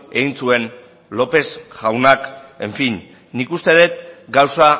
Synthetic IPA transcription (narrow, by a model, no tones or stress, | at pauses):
e̞ɣinsue̞n | lo̞pe̞sʝawnake̞̰ɱfinː | ikust̪e̞ð̞e̞t̪̚ɡawsa